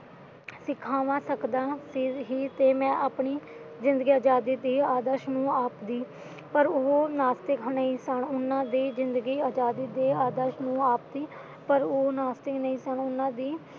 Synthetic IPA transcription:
sɪkʰːaːʋãːsəkd̪ãːsiɦiːt̪eːmɛ̃ːʔaːpɳiːzɪ̃nd̪əɡiːaːd͡ʒaːd̪iːd̪iːaːd̪əɾʃnũːaːpd̪iː | pəɾoːnaːst̪ɪkʰnəĩːsəɳʊnːãːd̪iːzɪnd̪əɡiːaːd͡ʒaːd̪iːd̪eːaːd̪əɾʃnũːaːpd̪iː | pəɾoːnaːst̪ɪknəĩːsəɳʊnːãːd̪iː

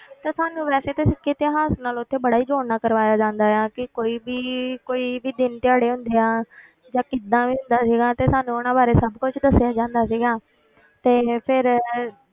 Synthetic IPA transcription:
t̪aːsaːnũːʋɛːseːt̪esɪkːit̪ɪɦaːsnaːlʊt̪ʰːeːbəɽaːiːd͡ʒoːnãːkəɾʋaːjaːd͡ʒãːnd̪aːjaːkɪkoːiːbiːkoːiːbiːd̪ɪnt̪ɪjaːɽeːɦʊ̃nd̪eːãː | d͡ʒãːkɪd̪ːãːʋiːɦʊ̃nd̪aːsiːɡaːt̪eːsaːnũonãːbaːɾeːsəbkʊt͡ʃd̪əsɪjaːd͡ʒãːnd̪aːsiːɡaː | t̪eːpʰɪɾ

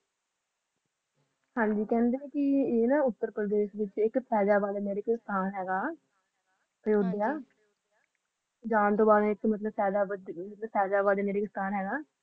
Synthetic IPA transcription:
hãːɲd͡ʒiːkɛ̃ːnd̪eːkɪeːnãːʊt̪ːəɾpɾəd̪eːʃʋɪt͡ʃɪkpʰɛːd͡ʒaːbaːd̪eːmeːɾeːkɪst̪ʰaːnɦɛːɡaː | pəjoːd̪ejaː | d͡ʒaːnt̪õːbaːd̪ɛ̃ɪkmət̪ləbsɛːd̪aːbəət̪ləbpʰɛːd͡ʒaːbaːd̪eːmeːɾeːkɪst̪ʰaːnɦɛːɡaː

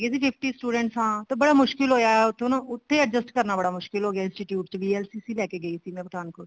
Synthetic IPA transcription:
ɡeːsiːpʰɪpʰʈiːsʈuːɖə̃ɳʈsɦãːt̪ebəɽaːmʊʃkɪlɦoːjaːɛʊt̪ʰːeñːʊt̪ʰːeːəd͡ʒəsʈkəɾnaːbəɽaːmʊʃkɪlɦoːɡeaːɪ̃nsʈiːʈjuːʈt͡ʃʋiːɛːlsiːsiːlɛːkeːɡəiːsiːmɛ̃ːpəʈ̪ʰaːnkʰʊɾ

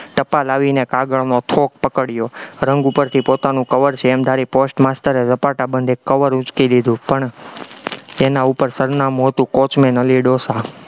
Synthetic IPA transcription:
ʈəpalaʋinekaɡəɭnot̪ʰok̚pəkəɽjoɾəŋɡupəɾt̪ʰipot̪anũkəʋəɾt͡ʃʰeːmd̪ʱaɾiposʈmast̪əɾezəpaʈabənd̪ʱekːəʋəɾʊt͡ʃkid̪id̪ʱũpəɳ | enaupəɾsəɾnamũɦət̪ũkot͡ʃmenəliɖosa

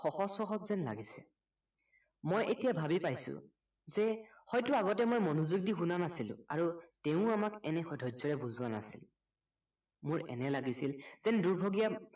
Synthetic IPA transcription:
xɔxɔsɔxɔtzɛnla̰ɡisɛ̰ | mojʔetijabʱabipajsʊ̰ | zɛhɔjtʊaɡɔtɛmojmɔnuzuɡ̚dixunanasilʊ̰̃a̰ɹuteʊ̃amakɛnɛxɔdʱɔzɔɹɛbuzʊana̰sil | mʊɹɛ̰nɛlaɡisilz̥ɛnduɹbʱoɡija

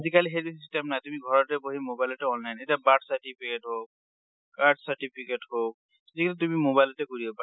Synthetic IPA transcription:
zikaliɦebissisʈɛmnajt̪umiɡʱɔɹɔtɛboɦimobajlɔʈɛɔnlajnetiabaʈsaɹʈipʰikeʈɦok̚ | kaɖsaʈipʰikeʈɦok̚ | ezikalit̪umimobajlɔtɛkoɹibɔpa

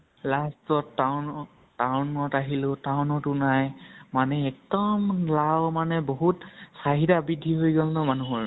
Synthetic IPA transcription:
lastɔtːan | tawnɔtaɦilʊtawnɔtʊnajmanɛɛk̚dɔmlawmanɛboɦutsaɦidabidʱːiɦojɡɔlnɔmanuɦɔɹ

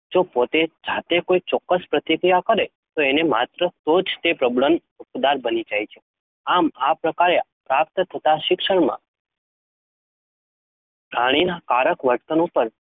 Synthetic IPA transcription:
d͡ʒopot̪ed͡ʒat̪ekoit͡ʃɔkːəspɾət̪ikɾijakəɾe | t̪oenema̰t̪ɾət̪od͡ʒt̪epɾəbɭəm | upd̪aɾbənid͡ʒajt͡ʃʰe | amapɾəkaɾe | pɾap̚t̪t̪ʰət̪aʃɪkʃəɽmã̰ | pɾaɽ̃inakaɾəkʋəɾt̪ənupəɾ

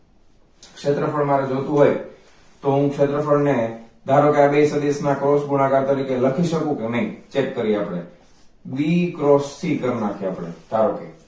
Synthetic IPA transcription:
kʃet̪ɾəfʰəɽmaɾed͡ʒot̪ũɦoj | t̪oɦũkʃet̪ɾəfəɽned̪ʱaɾokeabesəd̪esnakɾɔsɡunakaɾt̪əɾikeləkʰiʃəkũkenəĩt͡ʃekːəɾiapɽḛ | ʋikɾost̪ʰikəɾnakʰeapɽḛd̪̥ʱaɾokḛ

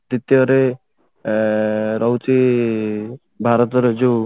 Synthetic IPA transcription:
d̪it̪jɔɾe | ɾɔwt͡ʃi | bʱaɾɔt̪ɔɾed͡ʒo

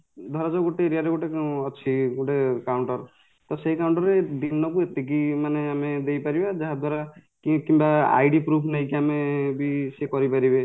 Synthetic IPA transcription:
d̪ʱɔɾad͡ʒɔɡoʈeɾiaɾeɡoʈekeũɔt͡ʃʰiɡoʈekawɳʈɔɾ | t̪ɔseikawɳʈɔɾed̪inːɔkuet̪ik̬imaneamed̪ejpaɾibad͡ʒaɦad̪ʱwaɾakikimbaa̰jɖipɾupʰnaɦĩkiamebisekɔɾipaɾibe

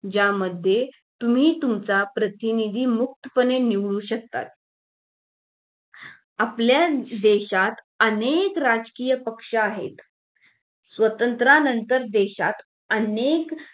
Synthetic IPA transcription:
d͡ʑjaməd̪ʱːje | t̪um̤iːt̪umt͡sapɾət̪inid̪ʱiːmuk̚t̪əpəneniʋɭuːɕək̚t̪a̰t̪̚ | apljad̪eɕat̪ | ənekɾad͡zkijəpəkʂəaɦḛt̪ | sʋət̪ənt̪ɾanənt̪əɾd̪eɕat̪ | ənek

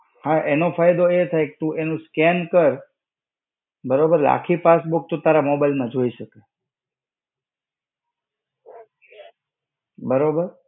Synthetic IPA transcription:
hãʔenofʰajd̪oet̪ʰajke̥t̪ũʔenũskɛnkəɾ | bəɾobəɾla̰kʰipasbuk̚t̪ot̪aɾamobajlmãd͡ʒoiʃəka | bəɾobəɾ

